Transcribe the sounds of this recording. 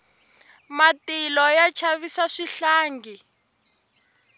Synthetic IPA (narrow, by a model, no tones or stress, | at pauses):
matilɔjat͡ʃʰaβisaʂiɬaːŋɡi